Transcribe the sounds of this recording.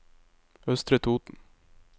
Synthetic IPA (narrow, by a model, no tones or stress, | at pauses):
œst̪ɾət̪ʰuːt̪n̩